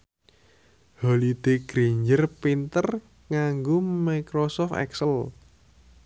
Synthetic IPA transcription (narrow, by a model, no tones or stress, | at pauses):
holid̪̥eɡ̥ɾiɲd͡ʒərpint̪ər | ŋaŋɡomakɾɔsɔft̪ɛ̰ksəl